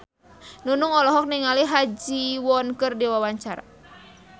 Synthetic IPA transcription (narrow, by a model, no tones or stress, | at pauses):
nunuŋɔlɔɦɔk̚niŋaliɦad͡ʒiwɔnkɨrdiwawaɲt͡ʃaɾa̰